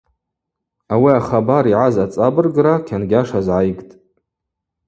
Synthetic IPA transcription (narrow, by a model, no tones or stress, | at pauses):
awiaχabaɾiʕazat͡sʼabɨrɡrakʲʰanɡʲaʂazʕajɡʼtʼ